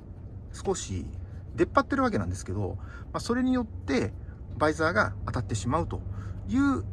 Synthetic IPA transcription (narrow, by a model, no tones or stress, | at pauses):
sɨ̥ko̞ɕḭd̪e̞pːat̪ːe̞ɾɯβak̬e̞nã̰nd̪e̞sɨ̥ke̞d̪o̞maso̞ɾe̞ɲ̟ijo̞t̪ːe̞ | baizaːɡaːt̪at̪ːe̞ɕimaɯ̟t̪o̞jɯ̟ː